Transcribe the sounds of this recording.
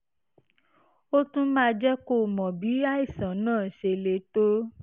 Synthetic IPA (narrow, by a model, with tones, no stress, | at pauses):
o˦tũ˦mãː˦˧d͡ʒɛ˦ko˦˨mɔ̃˨bi˨˦a˦i˦˨sã˨nãː˦˨ʃe˧le˧˦to˦